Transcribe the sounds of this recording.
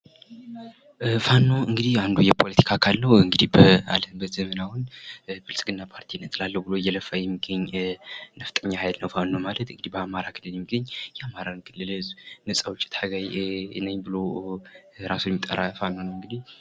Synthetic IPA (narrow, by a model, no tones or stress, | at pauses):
fanːo̞ɨŋɡɨd̪ihand̪ujɛpʰo̞lət̪ʰi̥kʰakʰalːəhɨŋɡɨd̪ihbəa̰ləmbət̪zəmənawʊnbɨlsɡɨnːapʰaɾt̪ʰinːət̪ʰlalːəhwbɨlojːɛləfːajɛmːiɡːəɲːnəft̪ʼəɲːahajlnəwfanːomalət̪ɨŋɡɨd̪ihbəamaɾakʰɨlːɨljɛmːiɡəɲːjɛamaɾankʰɨlːɨlznɨsʼawt͡ʃʼːɪ̥t̪ʰaɡajɨ̰nəɲbɨlo | ɾasujɛmit̪ʼːə̰ɾafanːo̞nəwɨŋɡɨd̪ih